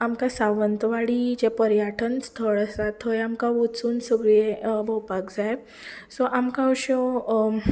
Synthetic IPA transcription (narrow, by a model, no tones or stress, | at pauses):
amkasaʋənt̪ʋaɽiːd͡ʑepəɾjaʈʰənst̪ʰəɭəsat̪ʰɦojamkaʋot͡suːnsəɡɭebəwpakd͡zaj | sɔʔamkãɔɕɔ